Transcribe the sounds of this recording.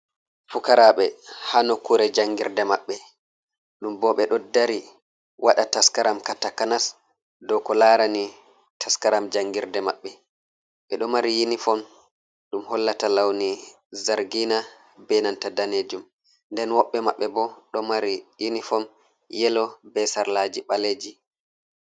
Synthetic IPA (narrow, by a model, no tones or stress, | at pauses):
fukaɾaɓɛhanɔkuɾɛd͡ʒaŋɡiɾdɛmaɓːɛ | ɗumbɔɓɛɗɔdaɾi | waɗataskaɾamkatakanas | dɔkɔlaɾani | tʰaskaɾamd͡ʒaŋɡiɾdɛmaɓːɛ | ɓɛɗɔmaɾijinifɔm | ɗumhɔlːatalawni | zaɾɡina | bɛnantadaneːd͡ʒum | ndɛnwɔɓːɛmaɓːɛbɔɗɔmaɾijinifɔm | jɛlɔbɛsaɾlad͡ʒiɓaleːd͡ʒi